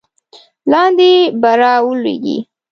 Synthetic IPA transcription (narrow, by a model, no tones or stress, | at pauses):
lɑnd̪ebaɾɑwəlwḛɡḭ